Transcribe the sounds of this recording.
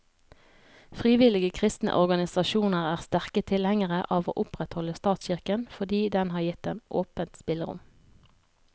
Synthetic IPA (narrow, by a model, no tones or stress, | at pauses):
fʁiːʋɪlɪɡəkʰʁɪst̪nə̰ʔɔʁɡɑnɪsɑʃuːnəʁæːʁst̪æʁkət̪ʰɪlhɛŋəʁəʔɑːʋo̰ːʔʊpʁɛt̪hɔləst̪ɑːt̪sçɪʁkənfɔd̪iːd̪ɛnhɑːʁjɪt̪ːeːnʔo̰ːpənt̪spɪləʁʊ̰m